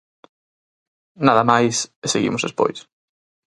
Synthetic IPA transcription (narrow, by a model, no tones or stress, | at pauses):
naðɐmajseseɣḭmʊzðespo̰js